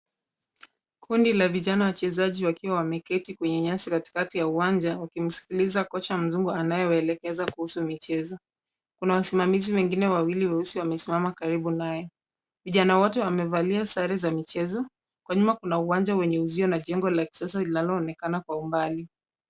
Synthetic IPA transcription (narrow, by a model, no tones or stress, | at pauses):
kʰundilaviʄanawat͡ʃɛzaʄiwakiwawamɛkɛtikwɛɲɛɲasikati̥katijauwand͡ʒaukim̩si̥kilizakɔt͡ʃam̩zuŋɡuanajɛwɛlɛkɛzakuhusumit͡ʃɛzɔ | kunawasimamiziwɛŋɡinɛwawiliwɛusiwamɛsimamakaɾiɓunajɔ | viʄanawɔtɛwamɛvaliasaɾɛzamit͡ʃɛzɔ | kwaɲumakunauwand͡ʒawɛɲɛuziɔnaʄɛŋɡɔlaki̥sasalinalɔːnɛkanakwaumbali